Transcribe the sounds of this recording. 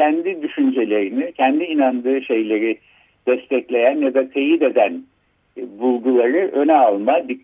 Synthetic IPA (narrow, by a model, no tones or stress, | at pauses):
ænd̪id̪yʃynd͡ʒe̞lʲe̞ɾinicʰænd̪iːnand̪ɯːʃe̞jlʲe̞ɾi | d̪̥ɛst̪ʰɛclʲe̞jænjad̪at̪ʰe̞jid̪e̞d̪æn | bulˠɡulˠaɾɯʔø̞nɛalˠmad̪i